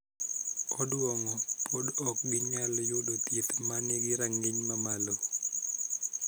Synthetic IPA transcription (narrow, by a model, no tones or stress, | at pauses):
kɔdwɔŋɔpodɔk̚ɡiɲaljʊdot̪jet̪maneɡɪɾaŋɪɲmamalo